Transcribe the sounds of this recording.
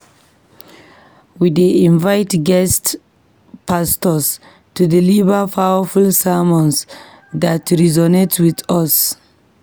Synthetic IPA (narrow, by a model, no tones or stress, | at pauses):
wideĩnvaɪtɡɛst | pastɔs | tudilivəpawəfulsamɔ̃ns | ðatɹizɔnetwiðɔs